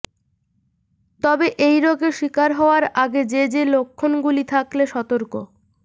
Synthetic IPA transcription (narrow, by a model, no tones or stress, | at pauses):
t̪ɔbeʔejɾɔɡeʃikaɾɦɔoaɾaɡed͡ʑed͡ʑelokʰːonɡulit̪ʰakleʃɔt̪oɾko